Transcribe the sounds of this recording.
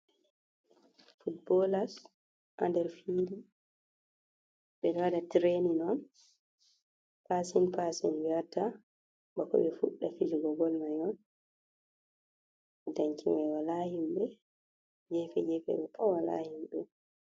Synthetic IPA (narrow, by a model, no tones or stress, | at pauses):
fut̚bɔlas | ʔandɛɾfili | ɓɛnadatɾeninɔn | pasinpasḭnwiatːa | ɓakɔ̰ɓɛfuɗːafid͡ʒuɡɔɡɔlmajɔn | daɲkimɛwalahimbɛ | d͡ʒɛfɛ̰d͡ʒɛfɛ̰ɓɛfɔwala̰himɓɛ